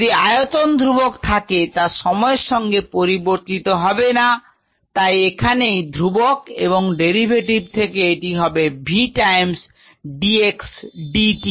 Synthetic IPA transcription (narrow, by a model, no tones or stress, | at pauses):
d̪iajot̪ond̪ʱɾubokt̪ʰaket̪aʃɔmɔeɾʃɔŋɡepoɾiboɾt̪it̪oɦɔbena | t̪ajekʰanejd̪ʱɾubokḛβoŋɖeɾibʱeʈib̚t̪ʰekeeʈiɦɔbebʱiʈajms | ɖieksɖiʈi